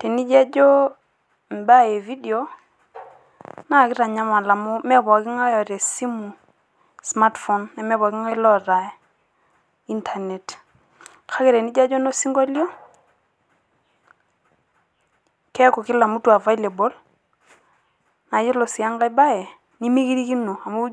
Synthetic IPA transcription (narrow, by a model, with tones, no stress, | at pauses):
te˨ni˦d͡ʒa˦d͡ʒo˦ | m˨ba˦e˨vi˦de˨o˦ | na˦˨kɪ˦ɾa˨ɲa˦ma˨la˨mu˦mɛ˦bɔ˨ki˦ŋɔ˦jɔ˨ɾe˨si˦mu˨ | sma˦tfɔ˨nːɛ˨mɛ˦βɔ˨ki˦ŋɔ˦lɔ˦ɾa˨˦ | i˦ntʰa˨ne˨t | kʰa˦ke˨ɾɛ˨ni˦d͡ʒa˦d͡ʒɔ˦no˦si˦ŋɡɔ˦ljɔ˦ | kɛ˦ko˨ki˦la˨mu˦twa˨va˦i˦le˨bo˦l | na˨˦jo˦lo˨si˨a˦ŋɡa˦i˦ba˦je˨ | ni˦mi˦ki˦ɾi˦ki˦no˨a˨mu˦